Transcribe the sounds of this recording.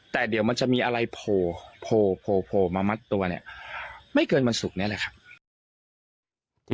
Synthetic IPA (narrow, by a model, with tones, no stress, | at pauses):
t̪ɛː˨˩di˨˩˦wma˧nt͡ɕa˨˩ʔmiː˧ʔa˧ɾa˧jpʰoː˨˩pʰoː˨˩pʰoː˨˩pʰoː˨˩maː˧ma˦˥t̪ːu˧ɐni˦˥˩ɐma˥˩jkɤː˧nwa˧nsu˨˩k̚ni˦˥ɐ˨˩lɛ˨˩kʰa˦˥p̚